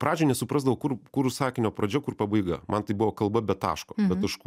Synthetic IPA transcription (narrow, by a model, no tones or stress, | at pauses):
pɾɑːd͡ʒʲɛnʲɛsʊpɾɑːzd̪ɐʋoːkʊrkʊɾsɑːkʲɪnʲoːpɾoːd͡ʒʲɛkʊrpɐbɐɪɡɐ̰mʔɐnt̪ɐɪbʊʋoːkɐlˠbɐbʲɛt̪ɑ̰ːʃkoːbʲɛt̪t̪ɐʃkuː